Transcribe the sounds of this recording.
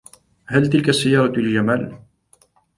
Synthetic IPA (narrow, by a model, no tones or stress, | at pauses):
halt̪ɪlkasːajːɑːɾˤɑld͡ʒamaːl